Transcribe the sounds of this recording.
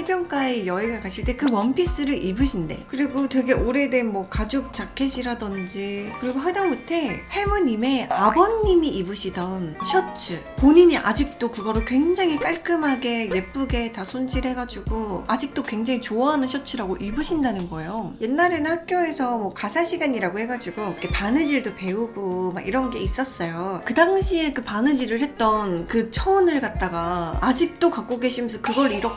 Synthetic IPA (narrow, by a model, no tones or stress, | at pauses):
ebjʌŋk͈aejʌeɡakaɕʰiɭt͈e̞kɯmʌmpʰis͈ɯɾɯʔibɯɕʰinde̞̰kɯɾiɡotwe̞ɡe̞ʔoɾe̞de̞nmwʌkad͡ʑok̚t͡ɕ͈akʰːe̞ɕʰiɾadʌnd͡ʑikɯɾiɡoɦedaŋɡotʰe̞he̞muɲime̞abʌnːimiibɯɕʰidʌnɕʰʌt͡ɕʰɯpoɲiɲiʔa̰d͡ʑik̚t͈okɯɡʌɾokwe̞ŋd͡ʑaŋik͈aɭk͈ɯmɦaɡe̞je̞p͈uɡe̞tasʰond͡ʑʰiɾɦe̞ɡad͡ʑuɡoad͡ʑik̚t͈okwe̞ŋd͡ʑaŋit͡ɕoaɦanɯnɕʰʌt͡ɕʰɯɾaɡoʔibɯɕʰindanɯnɡʌejoje̞nːaɾenɯhak̚k͈joe̞sʰʌmʌkasʰaɕʰiɡaɲiɾaɡohe̞ɡad͡ʑiɡoikʰepanɯd͡ʑiɭdope̞uɡomaɡʔiɾʌnɡe̞is͈ʌs͈ʌjokɯdaŋɕʰiekɯpanɯd͡ʑiɾɯɭhe̞t̚t͈ʌnkɯt͡ɕʰʌɯnɯɭkat̚t͈aɡaːd͡ʑik̚t͈okak͈oɡe̞ɕʰimjʌnsʰʌkɯɡʌɾiɾʌk